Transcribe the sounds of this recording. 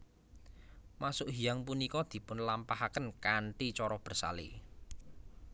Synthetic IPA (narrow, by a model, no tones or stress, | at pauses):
masʊʔɦijaŋp̬unikɔd̪̥i̤pʊnlampahakənkaɳʈit͡ʃɔɾɔb̥ə̤rsa̰lḭ